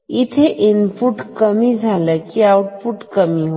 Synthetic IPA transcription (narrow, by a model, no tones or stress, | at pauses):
it̪ʰeʔinpuʈkəmid͡ʒʱaləkiawuʈpuʈkəmiɦo